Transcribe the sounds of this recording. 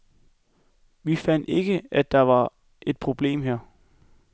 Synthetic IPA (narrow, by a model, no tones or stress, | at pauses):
ʋifæn̰d̥e̝ɡ̥əæd̥ːɑ̈ʋɑ̈ | ʔe̝d̥̚pʰʁo̝b̥le̝̰ːmɦæɐ̰